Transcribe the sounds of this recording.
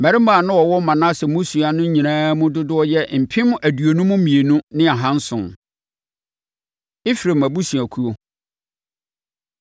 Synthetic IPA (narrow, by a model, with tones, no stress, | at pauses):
mæ˨ɾɪ˦mãː˨nʊ̃˦ɔ˨wɔ˦mã˨nã˦sɛ˨mũ˦su˨a˨nʊ̃˦ɲĩ˨nãː˦mʊ̃˦dʊ˦dʊ˦ɔ˦jɛ˦m̩˨pʰɪ̃˦m˦æ˨du˨o˨nũ˦mʊ̃˦mĩ˨e˨nũ˦nɪ̃˦a˨ɦã˦n̩˦sʊ̰̃˨n | ɪ˦fi˨ɾe˨mæ˨bu˦su˨æ˨kʰu˦o˨